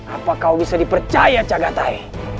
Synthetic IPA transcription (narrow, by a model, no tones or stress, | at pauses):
apakawbisadipərt͡ʃajat͡ʃaɡat̪ai